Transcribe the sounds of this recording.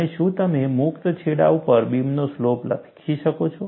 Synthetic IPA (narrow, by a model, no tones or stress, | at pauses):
eʃũt̪əmemʊkt̪t͡ʃʰeɽa̰upəɾbimnosloplə̰ɡkʰiʃəkot͡ʃʰo